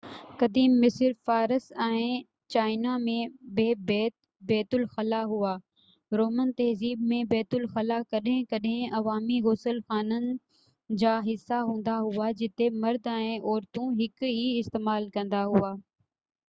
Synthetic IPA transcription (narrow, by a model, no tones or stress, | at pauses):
kɐd̪iːmːɪsəɾfaːɾəsɛ̃ː | t͡ɕaːɪnamẽbeːbɛːt̪ | bɛːt̪ʊlxɐlaɦuaː | ɾoːmənt̪ɐɦziːb̚mẽbɛːt̪ʊlxɐlakɐɗɦɪ̃kɐɗɦɪ̃ɐʋaːmiɣʊsəlxaːnənɪ̆ | d͡ʑaːɦɪsːaɦũːn̆d̪aɦuad͡ʑɪt̪emɐɾd̪ɛ̃ẽʔɔːɾt̪ũɦɪkɦiɪst̪eːmaːlkɐ̃nd̪aɦuaː